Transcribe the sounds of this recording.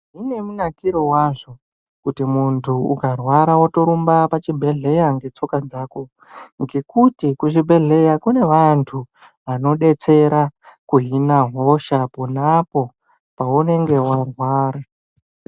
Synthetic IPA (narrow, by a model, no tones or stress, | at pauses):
ɦine̞munakiɾo̞waʐo̞ | kutimuntʰuukarwaɾawato̞ɾumbapat͡ʃibʱe̞ɮe̞jaŋɡe̞t͡so̞kad͡zaːko̞ | ŋɡe̞kutikut͡ʃibʱe̞ɮe̞jakune̞ʋantʰu | ʋano̞ɗe̞t͡se̞ɾakuɦinaɦo̞ʃaponapo̞ | paune̞ŋɡe̞warwaːɾa